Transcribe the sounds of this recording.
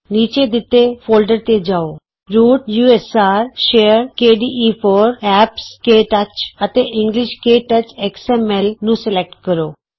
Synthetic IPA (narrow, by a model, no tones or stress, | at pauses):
niːt͡ʃeːd̪ɪt̪ːeːpʰoːlɖəɾt̪ed͡ʒaːoː | ɾuːʈjuːɛsaːɾʃeːəɾkeːɖiːʔiːpʰoːɾɛːpskeːʈət͡ʃət̪eːʔɪ̃ŋɡlɪʃkeːʈət͡ʃɛksɛːmɛlnũːsɪlek̚ʈ̚kəɾoː